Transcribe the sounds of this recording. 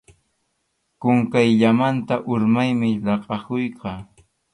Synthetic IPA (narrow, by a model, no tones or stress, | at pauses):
kʊŋkajʎamant̪aʔʊɾmajmɪlɑqʼɑkʊjqɑː